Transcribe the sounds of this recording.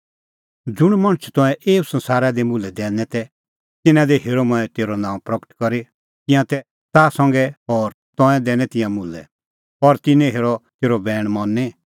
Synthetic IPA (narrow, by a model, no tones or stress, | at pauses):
d͡zʊɽ̃mɐ̃ɽ̃t͡ʃʰt̪ɔ̃ɛ̃ʔeːusɐ̃nsaːɾad̪ɛmʊlɛd̪ɛ̃ːnɛt̪ɛ | t̪ɪnãd̪ɛɦeːɾɔmɔ̃ɛ̃t̪eːɾɔnãːũpɾɐkə̥ʈkɔɾi | t̪ɪ̃jãt̪ɛ | t̪aːsɐ̃ŋɡɛɔːɾ | t̪ɔ̃ɛ̃d̪ɛːnɛt̪ɪ̃jãmʊlɛ̰ | ɔɾt̪ɪnɛ̃ɦeːɾɔt̪eːɾɔbɛːɽ̃mɔnːɛ